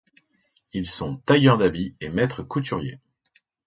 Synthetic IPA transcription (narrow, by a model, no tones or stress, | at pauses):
ilsɔ̃t̪ajœʁd̪abiemɛt̪χəkut̪ʰyʁjḛ